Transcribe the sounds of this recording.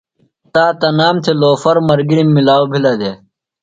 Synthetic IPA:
t̪aːt̪ɐnaːmt̪ʰeloːfɐɾmɐɾɡiɾimːilaːwobʱilad̪eː

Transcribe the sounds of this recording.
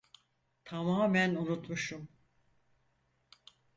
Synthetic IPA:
t̪ʰamaːmænunut̪muʃum

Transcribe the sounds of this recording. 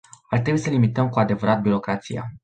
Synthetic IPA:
art̪ɾe̞bujesəlimit̪əmkuad̪e̞vəɾat̪̚biɾo̞kɾat̪sḭja̰

